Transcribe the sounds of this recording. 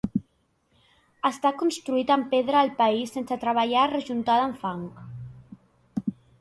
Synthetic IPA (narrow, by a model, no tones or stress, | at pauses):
əst̪akunst̪ɾuit̪əmpeðɾəːlˠpəisensət̪ɾəβəʎarəʒunt̪aðəɱfaŋk